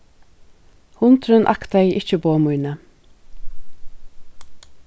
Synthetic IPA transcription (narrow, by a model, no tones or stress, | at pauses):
hʊnt̪ʰɾʉnʔɑ̰kt̪æɪʔɪçəboːmʉʏnə